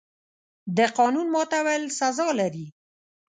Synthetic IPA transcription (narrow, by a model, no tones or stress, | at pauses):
d̪əqɑnunmɑt̪awelsazɑlaɾi